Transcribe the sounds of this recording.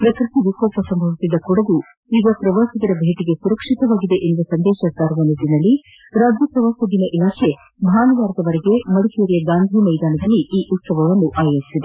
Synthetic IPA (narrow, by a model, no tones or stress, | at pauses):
pɾɐkɾt̪iʋikoːpɐsɐmbʱɐʋisid̪ːɐkuɽɐd̪u | iːɡɐpɾɐʋaːsid̪ɐɾɐbʱeːʈ̪iɡe̞suɾɐkʂit̪ɐʋaːɡid̪eʔenuʋɐsɐnd̪ɛːʃɐsaːɾuʋɐnid̪inɐlːi | ɾaːd͡ʒjɐpɾɐʋaːsɐd̪inɐʔilaːkʰe̞ | bʱaːnɐʋaːɾɐd̪ɐʋɐɾɛɡe̞mɐɽukijɐɾijɐɡaːnd̪ʱiːmɐjd̪aːnɐd̪ɐlːiʔiːʔut̪sɐʋɐɡɐʋɐnːuʔaːjɐɾisid̪e